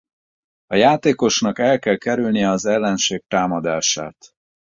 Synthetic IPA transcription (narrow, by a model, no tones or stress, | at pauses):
ɒjaːt̪eːko̞ʃnɒkɛlkɛlkɛɾylnijɛɒzɛlːɛnʃeːk̚t̪aːmɒd̪aːʃa̰ːt̪